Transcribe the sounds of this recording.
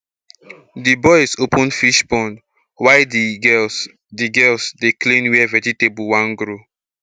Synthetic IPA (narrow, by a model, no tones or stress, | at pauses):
dibɔɪsopɔ̃nfiʃbɔ̃nd | waɪ | diɡɛlsdeklẽnwɛvɛtitebulwãnɡɾo